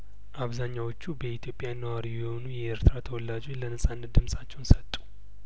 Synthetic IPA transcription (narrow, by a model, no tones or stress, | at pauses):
ʔaβzaɲːawot͡ʃːubəit̪ʰjo̞pʼːjanːəwaɾijɛho̞nujɛeɾt̪ʰɾat̪ʰəwɔlːad͡ʒo̞t͡ʃːlənəsʼanːət̪̚d̪ɨmsʼat͡ʃːɛwnsət̪ʼːu̥